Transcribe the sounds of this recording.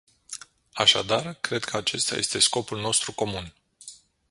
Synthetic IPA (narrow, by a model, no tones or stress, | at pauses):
aʃad̪arkɾe̞d̪kʰəat͡ʃe̞st̪a̰je̞̰st̪e̞sko̞pulno̞st̪ɾuko̞mun